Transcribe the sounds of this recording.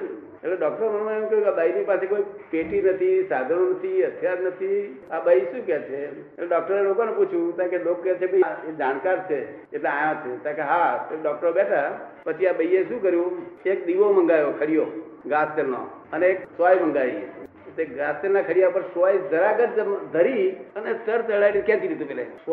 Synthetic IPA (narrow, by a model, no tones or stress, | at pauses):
eleɖɔk̚ʈəɾməñũeũkəjũkaɓainipasekoːipeʈinət̪ʰisad̪ʱənonət̪ʰiət̪ʰjad̪nət̪ʰiaɓəiʃũːkɛt͡ʃʰe | eleɖɔːk̚ʈəɾelokoneput͡ʃʰjũt̪ãkelokːɛt͡ʃʰekəaed͡ʒaːnkaɾt͡ʃʰe | eʈlãajãt͡ʃʰet̪ãkeɦaeɖɔk̚ʈəɾobɛʈʰapət͡ʃʰiaɓəiːeʃũkəɾjũek̚d̪iʋomə̃ŋɡajokʰəɽijoɡast̪elno̰əneeksʋajmə̃ŋɡai | t̪ekɡast̪elnakʰəɽijapəɾsajd͡ʒəɾaɡəɾd͡ʒd̪ʱəɾiənesəɾt̪əɭajlekɛ̃t̪ʰilid̪ũpelḛ